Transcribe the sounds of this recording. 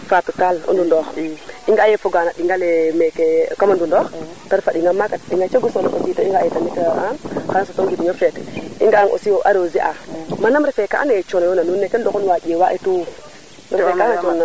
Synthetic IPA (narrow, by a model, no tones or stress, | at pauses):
fatutalo̰ndundɔxiŋɡaːjefuɡaːnaɗiŋɡalɛmekekamandundɔx | taɾifaɗiŋɡamakaɗiŋɡat͡ʃoɡusonakositoiŋɡajetanikaanxanasotoŋɡidiɲofɛtḭŋɡaaŋʔo̰siwoʔa̰ɾoziʔamanamɾɛfeka̰ʔa̰net͡ʃonjonanunːekendokunwad͡ʒewaʔetu | nɔfekaŋat͡ʃuna